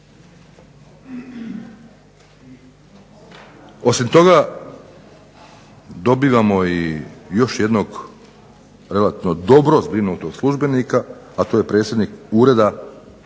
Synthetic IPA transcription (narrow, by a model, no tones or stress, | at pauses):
o̞simt̪o̞ɡa | d̪o̞biːʋamoijo̞ʃje̞d̪no̞ɡ | ɾe̞lat̪iʋnod̪o̞bɾo̞zbɾinoɡ̚t̪oɡ̥slˠuʒbe̞nikaː | t̪o̞ːje̞pɾe̞ːt̪sʲjed̪nikuːɾe̞d̪a